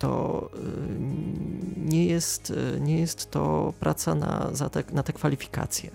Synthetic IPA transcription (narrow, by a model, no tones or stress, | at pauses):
t̪ɔ | ɲɛjɛst̪ɲɛjɛst̪ːɔpɾʔat̪sana̰zat̪ɛnat̪ɛkfalʲifʲi̥ka̰t̪sʲjɛ